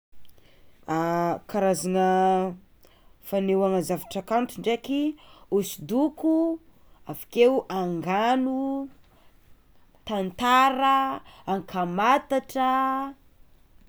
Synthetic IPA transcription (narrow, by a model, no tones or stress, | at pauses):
akaɾazanə | fanewaŋəzavaʈ͡ʂakant̪iɳɖ͡ʐekiusid̪uku | avḁkewʔaŋɡanu | t̪ant̪aɾəːŋkʰamat̪aʈ͡ʂə